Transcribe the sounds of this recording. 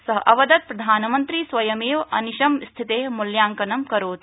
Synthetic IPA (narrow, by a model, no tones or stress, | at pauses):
sɐɦʔɐʋɐd̪ɐt̪̚pɾɐd̪ʱaːnɐmɐnt̪ɾisʋɐjɐmeːʋɐ̰niʃɐmst̪ʰit̪eːɦmuljaːŋkɐnɐmkɐɾoːt̪